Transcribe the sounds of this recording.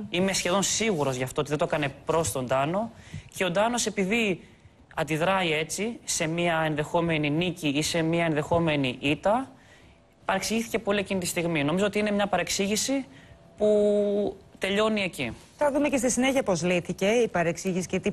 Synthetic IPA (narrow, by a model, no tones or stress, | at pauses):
ime̞sçe̞ðo̞nsiɣuɾo̞zʝɐft̪oot̪iðet̪oekɐne̞pɾo̞st̪o̞nd̪ɐno̞ce̞od̪ɐno̞se̞piði | ɐnd̪iðɾɐie̞t͡sise̞miɐe̞nðe̞xo̞me̞niniciise̞miɐe̞nðe̞xo̞me̞niʔit̪ɐ | pɐɾe̞ksiʝiθice̞po̞liecinit̪ist̪iɣmino̞mizoot̪iine̞mɲɐpɐɾe̞ksiʝisi | pu | t̪e̞ʎo̞nie̞ci | θɐðumecest̪isine̞çiɐpo̞zliθice̞ipɐɾe̞ksiʝisi̥cet̪i